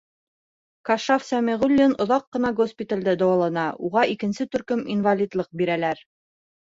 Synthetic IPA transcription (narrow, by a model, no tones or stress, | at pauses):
kɑʃafsæmʲiʁʉlʲːinŏðɑqːɤ̆nɑɡospʲit̪alʲd̪ɘd̪ɑwɑlˠɑnɑʔuʁɑʔikɘ̆nsɘt̪ɵ̆ɾkɵminvalʲid̪lˠɤq̚biɾælæɾ